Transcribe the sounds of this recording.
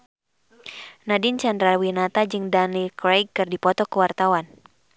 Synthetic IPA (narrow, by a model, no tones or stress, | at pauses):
nadint͡ʃandɾalwinat̪ad͡ʒɨŋdanilkɾajkkɨrdipɔt̪ɔkəwart̪awan